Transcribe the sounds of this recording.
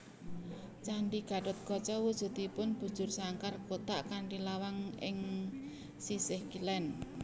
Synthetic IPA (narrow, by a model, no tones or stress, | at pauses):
t͡ʃaɳɖiɡ̥a̤ɖʊt̪̚ɡ̥ɔ̤t͡ʃɔwud̥ʒ̥ṳt̪ipʊnb̥ṳ̥d͡ʒ̥ʊrsaŋkarkot̪aʔkaɳɖilawaŋɪ̰ŋ | sisɪhkilɛn